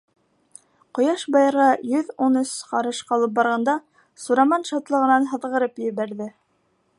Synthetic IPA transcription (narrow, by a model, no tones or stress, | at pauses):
qŏjɑʃbɑjɤ̆ɾʁɑjɵðunɵsqɑɾɤʃqɑlˠɤp̚bɑɾʁɑnd̪ɑ | suɾɑmɑnʃɑt̪lˠɤ̆ʁɤ̆nɑnɦɤ̆ðʁɤ̆ɾɤpjɘ̆βæɾðɘ